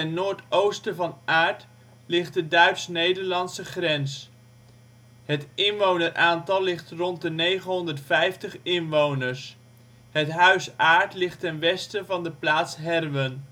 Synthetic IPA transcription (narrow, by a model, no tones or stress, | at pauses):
ɛnːoːɹtowstəvɑnʔaːɹt | lɪχt̚dədœɥtsnejdəɹlɑntsəχrɛns | ɦətɪnʋownəɹʔaːntɑlˠlɪχtrɔnt̚dənejχənɦɔndəɹtfɛjftəχɪnʋownəɹs | ɦətɦœɥsaːɹtlɪχtɛnʋɛstəvɑndəplaːtsɦɛrʋən